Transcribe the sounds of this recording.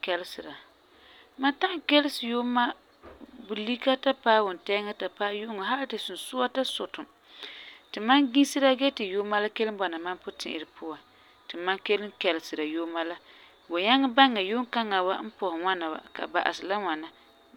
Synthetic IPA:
kɛ˦lɪ˦sɨ˨ɾa˨ | ma˦nta˦ʔkɛ˦lɪ˦sɨ˨jo˦ma˦ | bu˨li˦ka˦ta˦paː˦wʊ˨n˨tɛ˦ŋa˦ta˨pa˦jo˦ŋa˨ɦa˦lɪ˦tɨ˨su˨n˨sʊ˦wa˦ta˦sʊ˨tʊ˨m | tɨ˨ma˦nɡĩ˦sɨ˦ɾa˦ɡɛ˦tɨ˨jo˦ma˦la˦ke˦lɨ˦m˦ba˨na˨ma˦npʊ˦tɪ̰˨ʔɪ̰˨ɾɨ˨pʰʊ˦wa˨ | tɨ˨ma˦ŋke˦lɪ˦kɛ˨lɪ˨sɨ˨ɾa˨joː˦ma˦la˦ | bo˨ɲa˦ŋa˦ba˦ŋa˨jo˦ŋka˦ŋa˨wa˦m̩˦pɔ˨hɪ˨ŋa˦na˨ba̰˨ka̰˨ba̰˨ʔa̰˨sɨ˨la˦ŋʷa˨na˦

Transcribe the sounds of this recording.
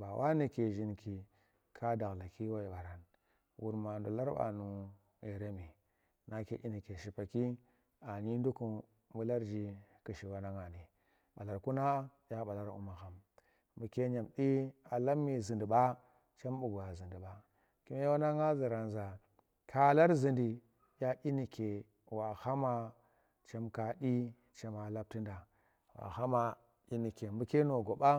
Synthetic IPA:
ba˨wʔa˦ni˨ke˨ʒi˦nki˨ | kʰa˦da˨ɣla˨ki˦wa˦i˨ɓa˨ɾa˨n | wu˨ɾma˨ndu˨la˦ɾɓa̰˨nu˨ | e˨ɾe˦mi˨ | na˦ke˦ʔi˦ni˨ke˨ʃi˨pa˨ki˦ | a˨ɲi˦ndu˦ku˨ | mu˦la˦ɾd͡ʒi˦ki˨ʃi˨wa˦na˦ŋa˨ni˨ | ɓa˨la˨ɾku˦na˦ja˦ɓa˨la˦ɾṵ˦ma˨xa˨m | bu˨ke˦ɲa˨mɗi˦a˨la˦mːi˨zi˨ndi˨ɓa˦ | t͡ʃa˦m˦bu˨ɡu˨ja˨zi˨ndi˨ba˨ | ki˦m˦wa˦na˦ŋa˦zi˨ɾa˨nza˨ | kʰa˨la˦ɾzi˨ndi˨ | ja˦ʔi˦ni˨ke˨ | wa˨ha˦ma˨ | t͡ʃa˦mka˨ɗi˦ | t͡ʃa˦ma˨la˦b̚ti˦nda˨ | wa̰˨ha˦ma˨ | i˦ni˨ke˨mbu˨ke˦no˨ɡo˨ɓa˦

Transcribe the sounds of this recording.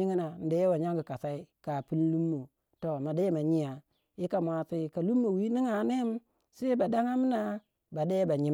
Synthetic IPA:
i˦ŋi˦na˨n̩˨de˨˦wa˨ɲa˦ŋɡi˨ka˨sa˦i˦ka˨pi˦n˦lu˦mːo˨ | to˨ma˨de˦ma˨ɲi˦a˨ | i˦ka˨mʷ˨a˨si˨ka˨lu˦mːo˨wi˦ni˦ŋa˨ne˦m˦ | se˦ba˨da˦ŋa˦m˦na˦ | ba˨de˦ba˨ɲi˨

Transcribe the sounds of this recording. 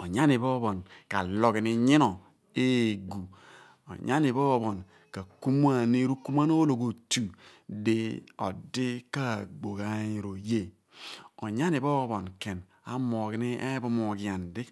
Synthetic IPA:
o˨ɲa˦ni˨bo˦βo˨nka˨lo˨ki˨ni˦ɲi˦no˨ | e˦˨ɡu˨ | o̰˨ɲa˦ni˨bo˦βo˨n | ka˨ku˦m˦a˦˨ni˦ɾu˦ku˦ma˦n˦o˦lo˨ɡo˨tu˨di˦o˨di˦ka˦˨ɡ͡bo˨ɡa˦ɲi˨ɾo˨je˦˨ | o̰˨ɲa˦ni˨bo˦βo˨nke˨n | a̰˦mo˨ki˨˦ni˦ʔe˦bu˦mo˨ɡi˨ja˨ndi˦

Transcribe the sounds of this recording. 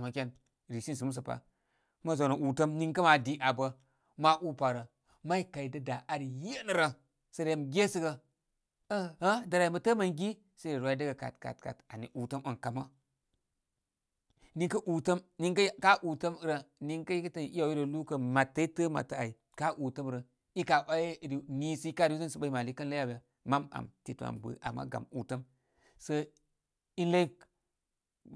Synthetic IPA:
ma˨kʲe˦n | ɾi˨si˦ns̬u˨mu˦s̬ə˨pa̰˨˦ | ma˦zo˨no˨ʔu˨tə˦mni˦ŋkə˦ma˨di˨˦ʔa˨bə˨ | ma˦ʔu˦pa˨ɾə˨ | ma˦i˦ka˨i˨də˦da˨ʔa˨ɾje˦nə˨ɾə˨ | sə˨ɾja˨mɡʲe˦sɨ˦ɡə˧ | ə˦ha˦da˨ɾa˨i˨mə˨tə˦ma˨ŋɡi˦ | sa˦i˦˨ɾʷa˨i˦də˦ɡə˨ka̰˨tka̰˨t̚ka̰˨ta˨ni˨ʔu˨tə˦mə˨nka˨ma˦ | ni˦ŋkə˦ʔu˨tə˦mni˦ŋkə˦ka˦ʔu˨tə˦mi˦ɾa˨ni˦ŋka˦ji˦kə˦tə˨n˨i˦a˨i˦ɾə˨lu˦kə˨ma˨tːa˦tə˦ma̰˨tːa˦˨a˨i˨ | ka˦ʔu˨tə˦m˨ɾə˨ | i˦ka˨ʔa˦e˦˨ɾi˨ni˦si˦i˦ka˦˨ɾi˦zə˦sə˨ɓa˦i˦ma˨li˦kə˦nla˦a˨ba˨ | ma˦ma̰˨mti˨tu˨a̰˨mbɨ̰˨˦ʔa̰˨mːa̰˦ɡa̰˨mu˨tə˦m | sə˦ | i˦nla˦i˦

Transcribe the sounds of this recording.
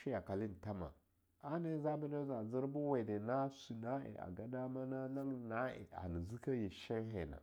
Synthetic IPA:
i˦ja˨ka˨li˦n˨ta˦ma̰˨ | a˦ne˦za˦ba˦n˦e˦za˨zi˦ɾbu˦we˨de˨na˦su˨na˦ḛ˨a̰˨ɡa˨da˦ma˦na˦na˦lu˦na˦ḛ˨a̰˨ni˨zi˦ka˦ji˨ʃa˦ɦe˨na̰˨

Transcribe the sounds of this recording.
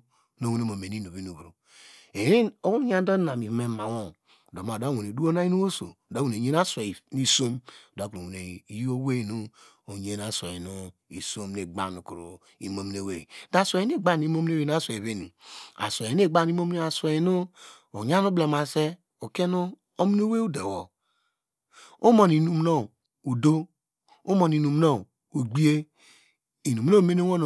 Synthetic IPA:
no˨wu˨ne˨mo˨me˨ni˦no˨βi˦nu˨βɾo˨ | e˨˦i˦o˦wu˦n˦ɲ˦a˦do˦na˨mi˨me˨ma˨wo˦˨ | do˨m˨a˨da˦wo˨ne˨du˦o˦na˦i˦nu˦wo˦so̰˨da˦wu˨e˨ɲe˦na˦sʷe˨ni˦so˦m˨da˨˦ku˨ɾo˨ne˨˦ji˦o˦we˦˨nu˦ | o˨ɲe˦na˨sʷe˨i˨nu˦ḭ˨so˦mne˨ɡ͡ba˦˨nu˨ku˨ɾo˨ | i˨mo˨m˨ne˨we˨da˦sʷo˨e˦e˦˨ɡ͡ba˦n˨i˦mo˦m˦ne˦we˨na˦so˨e˨βe˦ni˨a̰˨so˨e˨n˦e˦˨ɡ͡ba˦˨n˨i˦mo˦m˦e˦a˨so˨i˨nu˦ | o˨ɲa˦nu˦ble˨ma˨se˦ | o˨ke˦nu˦ | o˦m˦no˦we˦u˦de˨wo˨ | o˦mo˨ni˨nu˨m˦no˦˨ | u˨do˦ | o˦mo˨ni˨nu˨m˦no˦˨ | u˨ɡ͡bi˦e˦ | i˨nu˨m˦o˦˨me˦ne˦wo˦n˨

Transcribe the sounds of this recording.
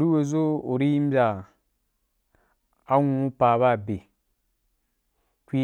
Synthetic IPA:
o˨ɾi˦we˨zo˦o˨ɾi˦ji˦m˦bʲa˨ | a˦ŋũ˦pa˨βa˦˨be˨ | kʷi˦

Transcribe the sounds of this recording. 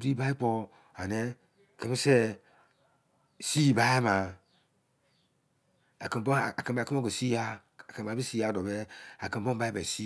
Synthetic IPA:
bi˦ba˦i˦k͡pɔ˦ | a˨nɛ˦ | ke˦me˦sɛ˦ | si˦˨ba˦a˦ma˨ | a̰˨ki˨mbo˦˨a˨kə˨bki˦m˦o˦ke˨si˦a˦ | a˨kə˨ba˨˦i˦si˦a˨˦˨dɔ˨bɛ˦a˨ki˨mbo˦ba˦ba˨si˦

